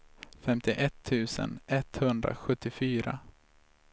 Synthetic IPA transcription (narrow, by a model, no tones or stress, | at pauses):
fɛmt̪ʰɪʔɛt̪ʰːʉ̟ːsə̰nɛt̪hɵnd̪ɾa̰ɧɵt̪ːɪfyːɾa